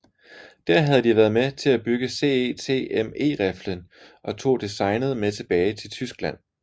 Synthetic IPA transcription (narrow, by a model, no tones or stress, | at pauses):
d̥æɐ̰ɦæð̞̩ˠd̥iʋæːɐð̞ˠmet͡sʰe̝læb̥yɡ̥əse̝̰ːet͡sʰe̝̰eme̝̰ːʁæflənʔɒ̽t͡sʰo̝̰ːd̥isɑ̈ɪnəð̞̩ˠmet͡sʰe̝b̥ɛːɪt͡sʰe̝lt͡sʰysɡ̥læn̰